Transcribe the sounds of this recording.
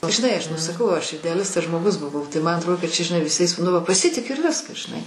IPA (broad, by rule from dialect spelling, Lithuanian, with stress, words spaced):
ʒʲɪˈnɐɪ ˈɐʃ nʊ sɐˈkɐʊ ˈɐʃ ɪdʲɛɐˈlʲɪstɐs ʒmoːˈɡʊs bʊˈʋɐʊ tɐɪ ˈmɐn ɐtˈroːdʲeː kɐt ˈt͡ʃʲɛ ʒʲɪˈnɐɪ ʋʲɪˈsɐɪs nʊ ˈʋɐ pɐˈsʲɪtʲɪkʲʊ ɪr ˈʋʲɪskɐs ʒʲɪˈnɐɪ